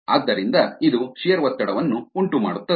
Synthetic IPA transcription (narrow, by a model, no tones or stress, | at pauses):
aːd̪ːɐɾind̪ɐid̪uʃijɐɾʋɐt̪ːɐɽɐʋɐnːuuɳʈuma̰ːɽut̪ːɐ